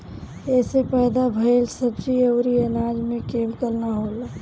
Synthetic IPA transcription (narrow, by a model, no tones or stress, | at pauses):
ɛsepɛːd̪abʱəelsəbd͡ʒiəʊɾiənad͡ʒmẽkemkəɾnaɦola